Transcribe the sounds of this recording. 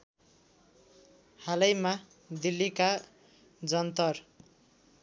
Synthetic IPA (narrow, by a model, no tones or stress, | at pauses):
halʌjma | d̪ilːika | d͡zʌnt̪ʌr